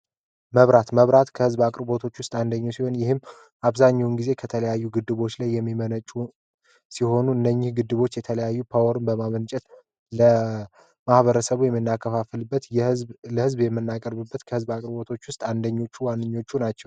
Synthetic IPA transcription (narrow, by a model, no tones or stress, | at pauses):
məβɾat̪məβɾat̪kʰəhɨzbakʼɾbo̞t̪ʰo̞t͡ʃːwʊst̪ʼand̪əɲːawsiho̞njɪhɨm | ʔaβzaɲːawnɡize̞kʰət̪ʰələjajːuɡɨd̪ːɨβo̞t͡ʃːlajːɛmːimənət͡ʃʼu | siho̞nuɨnːəɲːɪhɡɨd̪ːɨβo̞t͡ʃːjɛt̪ʰələjajːupʰawɔɾɨnbəmamənt͡ʃʼɛt̪ | lə | mahβəɾəsəβujɛmːɨnːakʰːəfafɨlbːət̪ləhɨzbjɛmːɨnːakʼəɾbɨbːət̪kʰəhɨzbakʼɾbo̞t̪ʰo̞t͡ʃːwʊst̪ʼand̪əɲːo̞t͡ʃːuwanːɨɲːo̞t͡ʃːunat͡ʃːɛw